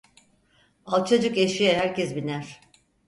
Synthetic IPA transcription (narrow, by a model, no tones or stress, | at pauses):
alˠt͡ʃʰo̞d͡ʒukeʃijɛɦæɾcɛzbinæɾ̥